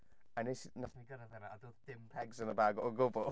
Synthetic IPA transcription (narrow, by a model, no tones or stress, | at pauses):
anisnasniɡəɾaðɛnaadoːðd̥ɪmpʰɛɡzənəbaːɡɔɡʊbɔ